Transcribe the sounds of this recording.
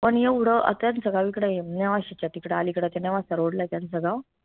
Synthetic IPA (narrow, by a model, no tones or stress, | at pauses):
pəɳjeuɽəʔə̰t̪jansəɡaʋikɽajemnaʋaɕit͡ɕaʈikɽaːlikɽat̪janaʋasəɾoɽlat̪jansəɡa